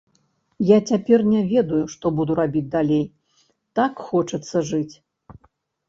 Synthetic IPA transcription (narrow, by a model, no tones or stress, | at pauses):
jat͡sʲapʲɛrnʲɛvʲɛd̪ujuʂt̪ɔbud̪uɾabʲid͡zʲd̪alʲej | t̪akxɔt͡ʂɐt̪sːɐʐɨt͡sʲ